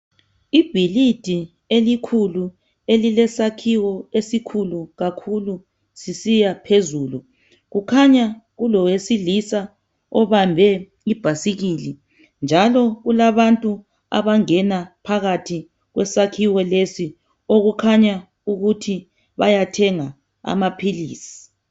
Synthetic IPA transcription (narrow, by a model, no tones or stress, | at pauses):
ib̥ʱilid̥ʱi | elikʰulu | elilɛsakʰiwɔesikʰuluɣakʰulu | sisijapʰezuːlu | ɣukʰaɲaɣulɔwesilisa | ɔβambʱɛ | ib̥ʱasiɣili | nd͡ʒʱalɔɣulaβantʼu | a̰βaŋɛnapʰaɣatʰi | ɣwɛsakʰiwɔlesi | oɣukʰaɲa | uɣutʰi | βajatʰɛŋa | a̰mapʰiliːsi̥